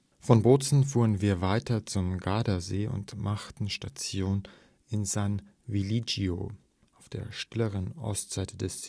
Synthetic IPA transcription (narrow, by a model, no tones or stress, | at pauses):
fɔnboːt͡sn̩fuːʁənviːɐvaɪtɐt͡sʊmɡaːdɐzeːʔʊ̰ntmʔaχtn̩ʃtat͡sjoːn | ɪnzan | vilid͡ʒio̰ | ʔaʊfd̥eːɐʃtɪləʁənʔɔ̰stz̥aɪtʰədɛs